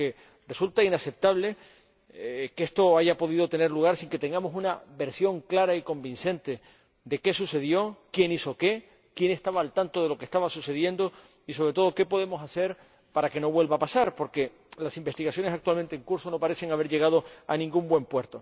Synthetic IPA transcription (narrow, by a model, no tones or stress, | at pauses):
e | result̪ainase̞p̚t̪aβle̞ | kest̪o̞aʝapo̞ðið̞o̞t̪e̞ne̞ɾluɣaɾsiŋke̞t̪e̞ŋɡamo̞sunaβe̞ɾsjo̞ŋklaɾaiko̞mbĩnse̞nt̪e̞ | d̪e̞ke̞suse̞ðjo̞kje̞niso̞ke̞ | kje̞ne̞st̪aβaːlt̪ant̪o̞ðe̞lo̞keht̪aβasuse̞ðje̞nd̪o̞ | is̬o̞β̞ɾe̞t̪o̞ð̞o̞ke̞po̞ðe̞mo̞sase̞ɾ | paɾake̞no̞βwe̞lβapasaɾpo̞ɾke̞ | lasimbe̞st̪iɣasjo̞nesak̚t̪uwalment̪eŋkuɾso̞no̞paɾe̞se̞ŋaβe̞ɾʝe̞ɣ̞að̞o̞a̰nĩŋɡumbwe̞mpwe̞ɾt̪o